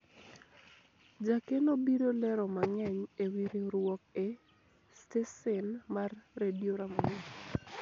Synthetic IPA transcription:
d͡ʒakenobiɾolɛɾɔmaŋɛɲewiɾiɾwɔk̚ɛ | stesɛnmarːedioɾamon

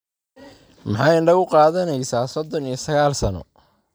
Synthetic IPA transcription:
mɑħɑːjɪɳɖɐɣʊqɑːðɐnɛjsaːsɔd̪ɔnijɔsɐɣaːlsɐnɔ̰

